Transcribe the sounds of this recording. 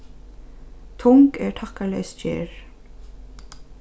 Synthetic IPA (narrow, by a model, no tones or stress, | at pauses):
t̪ʰʊŋkɛɹʈʰakalɛ̰jst͡ʃḛːɹ